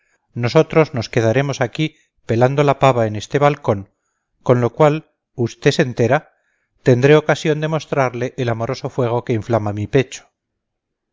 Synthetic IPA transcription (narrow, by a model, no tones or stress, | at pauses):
no̞so̞t̪ɾo̞zno̞ske̞ð̞aɾe̞mo̞saki | pe̞land̪o̞lapaβaene̞st̪eβalko̞ŋ | ko̞nlo̞kwal | ust̪e̞se̞nt̪e̞ɾa | t̪e̞nd̪ɾe̞o̞kasjo̞nd̪e̞mo̞st̪ɾaɾleʔːlamo̞ɾo̞so̞fwe̞ɣ̞o̞ke̞iɱflamamipe̞t͡ʃo̥